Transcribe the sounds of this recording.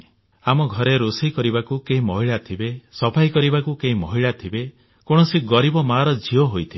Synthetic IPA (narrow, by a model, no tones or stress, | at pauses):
amɔɡʱɔɾeɾosikɔɾibakukeɦĩmɔɦiɭat̪ʰibesɔpʰajkɔɾibakukeɦĩmɔɦiɭat̪ʰibe | koɽ̃ɔsiɡɔɾibɔmaɾɔd͡ʒʱiɔɦojt̪ʰibe